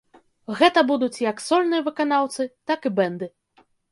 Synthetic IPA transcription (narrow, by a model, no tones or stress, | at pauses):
ɣɛt̪ɐbud̪ut͡sʲjɐksɔlʲnɨjɐvɨkan̪awt̪sɨt̪akibɛnd̪ɨ